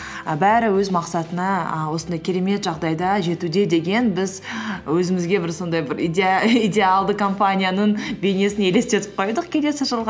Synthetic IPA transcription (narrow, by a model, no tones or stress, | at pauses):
əbæɾɪwɵzmɑqsɑt̪ənɑəwo̞sənd̪ɑjkʲʰeɾe̞me̞t̪ʒɑʁd̪ɑjd̪ɑʒe̞t̪ud̪e̞d̪e̞ɡʲe̞nbɪzwɵzɪmɪzɡʲe̞bɪɾso̞nd̪ɑjbɪɾʲid̪ʲe̞alˠd̪əkʰo̞mpanʲijanəɴbe̞jne̞sɪne̞le̞st̪e̞t̪ɪ̥p̚qʰo̞jd̪əq̚kʲʰe̞le̞sɪʒəlˠʁɑ